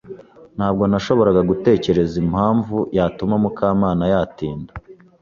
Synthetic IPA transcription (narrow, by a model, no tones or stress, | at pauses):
n̥haːb̚ɡo̞naʃo̞βo̞ɾaɡaɡute̞ːce̞ɾe̞zimhaːɱvujatumamukʰaːmaːnajatiːnda